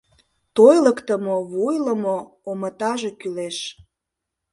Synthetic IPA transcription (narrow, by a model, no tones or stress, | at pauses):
t̪ojləkt̪əmoβojləmoː | mət̪ɑʒekyleʃ